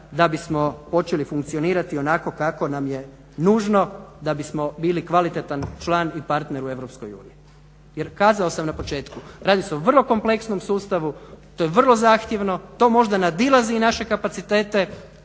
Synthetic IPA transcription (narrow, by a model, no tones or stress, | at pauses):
d̪abismo̞po̞t͡ʃelifuŋkt̪sijo̞niːɾat̪io̞nako̞kako̞namje̞ | nuːʒno̞d̪abismo̞biːlikʋalit̪et̪ant͡ʃlaːnipaɾt̪neɾue̞ʋɾopsko̞jṵːnii | jeɾkaːzao̞samnapo̞t͡ʃe̞ːt̪kuɾaːd̪iseoʋr̩lˠo̞ko̞mple̞ksno̞msuːst̪aʋut̪ojeʋr̩lˠo̞zaːxt̪je̞ʋno̞t̪o̞ːmo̞ʒd̪anad̪ilˠazinaʃe̞kapat̪sit̪e̞ːt̪e̞